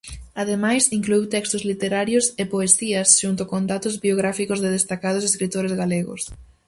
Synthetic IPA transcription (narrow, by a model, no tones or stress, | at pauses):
aðemajsiŋkluiwt̪ɛkst̪ʊzlit̪eɾaɾjʊsepoesiɐsʃunt̪ʊkond̪at̪ʊzbioɣ̞ɾafikʊzðɪð̞est̪akað̞ʊseskɾit̪oɾezɣaleɣʊ̰s